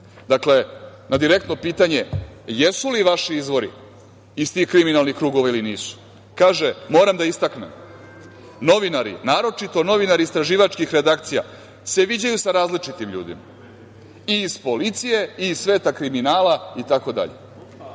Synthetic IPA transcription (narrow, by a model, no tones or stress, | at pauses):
d̪akle̞nad̪iɾe̞k̚t̪no̞piːt̪aɲe̞jesuliʋaʃiizʋo̞ɾḭ | ist̪ixkɾiminalˠnixkɾuːɡo̞ʋailiniːsu̥ | kaːʒemo̞ːɾamd̪aist̪aknem | no̞ʋinaɾḭnaːɾo̞t͡ʃit̪o̞no̞ʋinaɾiːst̪ɾaʒiːʋat͡ʃkixɾe̞d̪akt̪sija̰ | se̞ʋid͡ʑajusaɾaːzlit͡ʂit̪imʎṵːd̪ḭma | iːzpo̞lit̪sije̞iːssʋeːt̪akɾiminaːlait̪ako̞d̪a̰ʎḛ